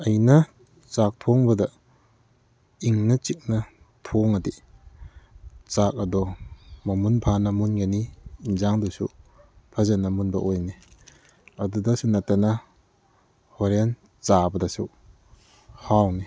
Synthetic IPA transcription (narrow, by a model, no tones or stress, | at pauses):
ɐjnɐ | t͡ʃak̚tʰoŋbɐdɐ | iŋnɐt͡ʃik̚nɐ | tʰoŋadi | t͡ʃak̚ɐdɔmɐmunpʰanɐmunɡaniːnzaŋdusṵpʰazanɐmunbɐʔojni | ɐdudɐsunatanɐ | hɔɾan | t͡ʃabɐdasṵ | hawni